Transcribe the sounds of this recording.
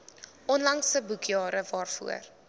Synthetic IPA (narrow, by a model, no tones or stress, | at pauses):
ɔnlɐŋsəbukjɑːɾəvɑːrfṵər